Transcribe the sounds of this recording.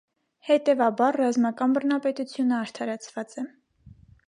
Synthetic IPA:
hɛt̪ɛvɑbɑɾːɑzmɑkɑnbərnɑpɛt̪ut͡sʰjunəɑɾt̪ʰɑɾɑt͡sʰvɑt͡sɛ

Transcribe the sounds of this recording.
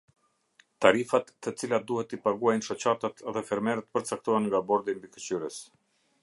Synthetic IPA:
t̪aɾifat̪ːət͡silat̪̚d̪uhɛt̪ːipaɡuajnʃɔt͡ɕat̪at̪ʰɛðɛfɛɾmɛɾət̪pəɾt͡sak̚t̪ɔanŋɡabɔɾd̪imbikət͡ɕyɾəs

